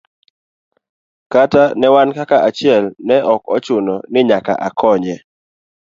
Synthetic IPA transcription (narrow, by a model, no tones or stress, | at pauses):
katanɛwankakaʔat͡ʃɪɛlnɛʔɔkɔt͡ʃʊnɔnɪɲaka̰ʔakʰɔɲɛ